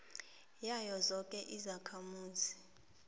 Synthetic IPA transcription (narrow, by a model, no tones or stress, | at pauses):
jajɔzɔkʼɛʔizakʰamuːzi